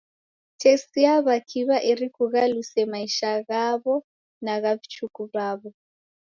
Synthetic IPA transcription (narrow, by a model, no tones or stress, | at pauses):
tʰesijaβakʰiβaʔerikʰuɣalusɛmaiʃaɣaβɔ | naɣaβit͡ʃʰukʼuβaːβɔ